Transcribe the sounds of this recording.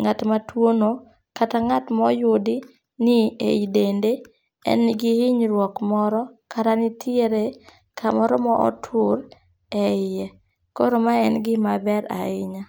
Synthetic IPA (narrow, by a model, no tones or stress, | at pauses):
ŋatmatwono | kataŋatmɔjʊdi | niḛjdende | ɛ̰nːɪɡɪhɪɲɾwɔkmɔɾɔkaɾanɪtʰɪeɾe | kʰamɔɾɔmɔʔɔ̰tʰʊɾ | ɛɪjɛ | ko̰ɾomaɛnɡɪmabɛɾa̰ɪɲa